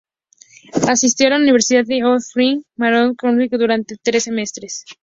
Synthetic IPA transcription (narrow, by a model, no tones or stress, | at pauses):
asist̪jo̞alauniβ̞e̞ɾsiðaðeoθɾiŋmaɾoŋkonwikðuɾant̪e̞t̪ɾesːe̞me̞st̪ɾes